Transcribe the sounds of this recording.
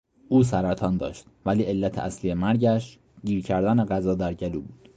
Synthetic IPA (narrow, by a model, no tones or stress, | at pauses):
ʔuːs̬æɾæt̪ʰɒːnd̪ɒ̰ːʃt̪væliːʔe̞lːæt̪ʰeʔæsliːjemæɾɟæʃ | ɟiːɾcʰæɾd̪æneɢæzɒːd̪æɾɟæluːbuːd̪̥